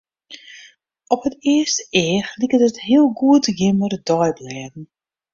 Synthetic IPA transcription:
ɔpɦətɪəstəɪəxlikətətɦiəlˠɡuətjɪmərdɔjblɛːdn̩

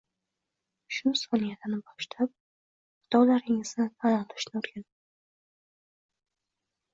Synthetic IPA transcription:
ʃʊsɒnijat̪ɪnɪbɒʃlap̚ | qʊ̥t̪ʰɒwlaɾɪŋɪznɪt̪ʰanaɾɪʃnɪoɾɡʲanɪ

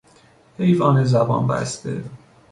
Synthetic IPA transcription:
hejvɒːnezæbɒ̰ːnbæ̰sd̪ḛ

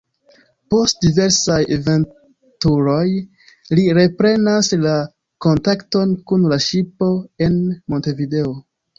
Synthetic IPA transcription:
po̞st̚dive̞ɾsajeve̞n | tuɾo̞j | liɾe̞pɾe̞nasla | ko̞ntakto̞nkunlaʃipo̞e̞nmo̞nte̞vide̞o

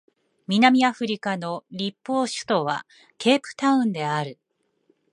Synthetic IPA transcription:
mʲinamʲiaɸɯɾʲikano̞ɾʲipːo̞ːɕɨ̥t̪o̞βa̰ | ke̞ːpɯ̟̥t̪aɯ̟̃nd̪e̞aɾɯ̟

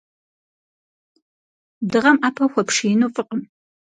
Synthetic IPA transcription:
dɨʁɐmaːpʰɐxʷɔpʂinofʼɨqʼəm

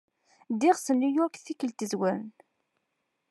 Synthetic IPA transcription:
d̪ɪʁsənːujɔɾkθikːəlt̪izwəɾən

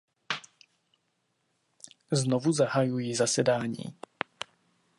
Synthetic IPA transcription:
znovuzaɦajujizasɛdaːɲḭː

